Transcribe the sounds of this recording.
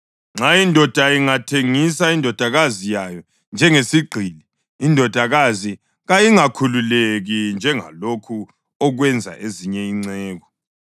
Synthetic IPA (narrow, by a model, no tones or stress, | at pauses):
ŋ͡ǁaindʱɔd̥ʱaiŋatʰeŋisaindʱɔd̥ʱaɣazijajɔ | nd͡ʒʱɛŋesiɡ͡ǀʱiliː | ndʱɔd̥ʱaɣazi | ɣajiŋakʰululeɣind͡ʒʱɛŋa̰lokʰu | ɔɣwɛnd͡zʱa̰ʔeziɲɛiŋ͡ǀɛːɣɔ